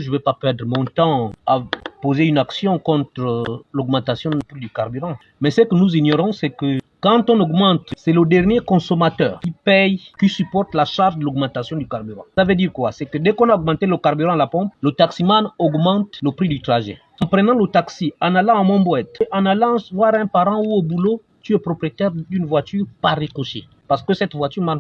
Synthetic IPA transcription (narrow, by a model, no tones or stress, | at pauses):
ʒəvɛpapɛʁd̪ʁəmɔ̃t̪ɑ̃apozeynaksjɔ̃kɔ̃t̪χəlɔɡmɑ̃t̪asjɔ̃əpʁid̪ykaʁbyʁɑ̃ | mɛsəkənuziɲɔʁɔ̃sɛkəkɑ̃t̪ɔ̃nɔɡmɑ̃t̪sɛləd̪ɛʁnjekɔ̃sɔmat̪œ̰ːʁkipɛjkisypɔʁt̪laʃaʁʒd̪əlɔɡmɑ̃t̪asjɔ̃d̪ykaʁbyʁɑ̰̃savød̪iʁkwa̰sɛkəd̪ɛkɔ̃naɔɡmɑ̃t̪eləkaʁbyʁɑ̃lapɔ̃plət̪aksimanɔɡmɑ̃t̪ləpʁid̪yt̪ʁaʒɛ̰ | ɑ̃pχənɑ̃lət̪aksiãnalɑ̃ːmɔ̃bwɛt̪ʔãnalɑ̃svwaʁɛ̃paʁɑ̃uobulo | t̪yɛpʁɔpʁiet̪ɛʁd̪ynvwat̪yʁpaʁekoʃḛ | paʁsə̥kəsɛt̪vwat̪yʁman